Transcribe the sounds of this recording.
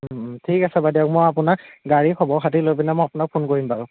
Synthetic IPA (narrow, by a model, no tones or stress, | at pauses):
tʰikasɛbadiaʊk̚mɔjapʊnak̚ɡaɹikʰɔbɔxʰatilojpinamɔjapʊnak̚pʰonkoɹimbaɹʊ̃